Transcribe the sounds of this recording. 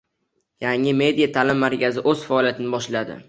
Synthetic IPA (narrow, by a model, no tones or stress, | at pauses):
jaŋɪme̞d̪ijat̪ʰalɪmːaɾkʲʰazɪʔɵz̥faɒlijat̪ʰɪnɪbɒʃlad̪ɪ̰